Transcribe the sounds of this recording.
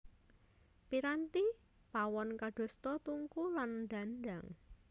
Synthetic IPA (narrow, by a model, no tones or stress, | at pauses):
piɾant̪i | pawɔnkaɖ̥o̤st̪ɔt̪uŋkuland̪a̤ndaŋ